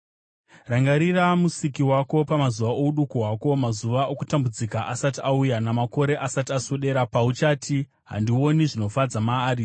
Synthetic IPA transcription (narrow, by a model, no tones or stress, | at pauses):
raŋɡaɾiramusikiwako̞pamazuʋaʔo̞uɗukowako̞mazuʋaʔokutambud͡zikaʔasatiaujanamako̞ɾe̞ʔasatiasoɗe̞ɾapaut͡ʃaːtʰi | ɦa̰ndio̞niʐino̞fad͡zamaːɾi